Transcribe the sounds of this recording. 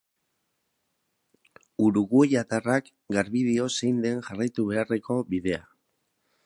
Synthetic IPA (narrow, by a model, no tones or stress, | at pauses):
uɾuɣuejat̪arak | ɡaɾβiðio̞sejnd̪e̞nʝarajt̪uβe̞are̞ko̞βiðe̞a